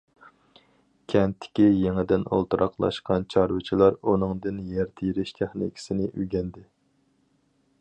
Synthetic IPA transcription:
kʲʰɛnt̪ʰːɪ̥kʲijeŋɪd̪ɪno̰lˠt̪uɾʔɑqlˠɑ̰ʃqɑnt͡ʃʰɑɾwɨt͡ʃʰilˠɑɾunɨŋd̪ɨnjɛɾt̪ʰɪjɾɪʃt̪ʰæχnḭkʲʰi̥sɪnɪʔyɡʲɛnd̪ɪ

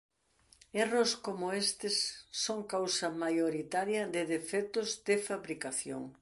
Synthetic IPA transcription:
eroskomoest̪ɪsːoŋkawsɐmajoɾit̪aɾjɐðɪðefɛt̪ʊzd̪ɪfaβɾikaθjoŋ

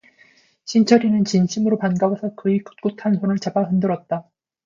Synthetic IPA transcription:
ɕʰint͡ɕʰʌɾinɯnt͡ɕinɕʰimɯɾopanɡawosʰʌkɯiku̥t̚k͈utʰansʰonɯɭt͡ɕabaɦɯndɯɾʌt̚t͈a

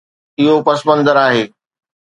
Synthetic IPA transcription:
ɪɦopɐsbə̃nd̪ʱəɾaːɦeː

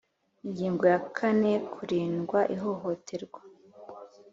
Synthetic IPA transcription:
iɲɟiːŋɡojakʰane̞kʰuɾiːnɡwaʔiɦo̞ɦo̞tʰe̞ɾɡwa

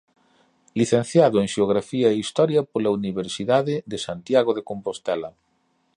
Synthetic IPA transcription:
liθẽn̟θjaðʊeŋʃeoɣɾafiɐeist̪ɔɾjɐpolauniβ̞eɾsiðaðeðesant̪jaɣoðekompost̪ɛlɐ

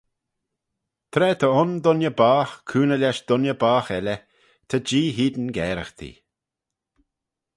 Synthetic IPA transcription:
t̪ʰɾɛːt̪ʰəʊnd̪ʊnjəbaːxkʰuːnəlʲɛʃd̪ɔnjəbaːxɛlə | t̪ʰəd͡ʒiːɦiːd̪nɡɛːɾəxt̪ʰḭ

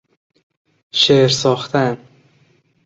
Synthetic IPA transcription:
ʃeɾsɒːxt̪ʰæn

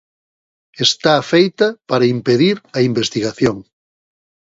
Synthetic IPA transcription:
est̪aːfejt̪ɐpaɾɐimpeðiɾɐimbest̪iɣaθjoŋ

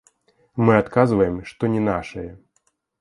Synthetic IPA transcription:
mɨat̪kazvɐjɛmʂt̪ɔnʲɛnaʂɐjɛ

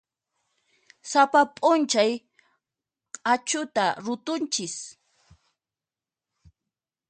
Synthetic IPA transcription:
sapapʼʊnt͡ʃaj | qʼat͡ʃʊt̪aɾʊt̪ʊnt͡ʃɪs

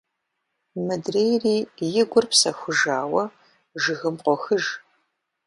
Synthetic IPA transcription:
mɨdrejriːjɪɡʷʊrpsɐxʷʊʒaːwɐ | ʒɨɣɨmqʷɔxɨʒ

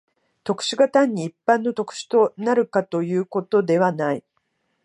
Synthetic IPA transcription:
t̪o̞kɯ̥ɕiɡat̪ãɲ̟ːiːpːãnːo̞t̪o̞kɯ̟̥ɕi̥t̪o̞naɾɯ̟kat̪o̞jɯ̟ːko̞t̪o̞d̪e̞βanai

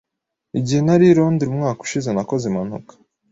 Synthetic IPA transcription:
iɟihe̞naɾiɾoːndiɾumŋaːku̥ʃizenako̞zeman̥ṵkḁ

